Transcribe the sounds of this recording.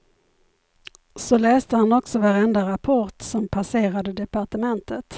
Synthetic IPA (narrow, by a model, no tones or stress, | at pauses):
sɔlɛːst̪əhanɔksɔvaɾɛnd̪aɾapʰɔɾʈsɔmpʰaseːɾad̪əd̪ɛpaʈəmɛnt̪ʰət̪